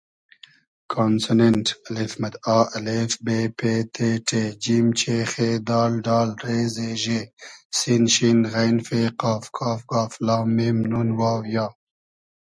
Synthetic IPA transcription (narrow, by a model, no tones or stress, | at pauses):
kʰoːnsunenʈɐlifmɐd̪ɑːɐlefbepeːt̪ʰeʈʰed͡ʒimt͡ʃʰexed̪ɑːlɖɑːlɾeːzeʒesinʃinɣajnfeqɑːfkʰɑːfkaːflɑːmemnunwaːwjaː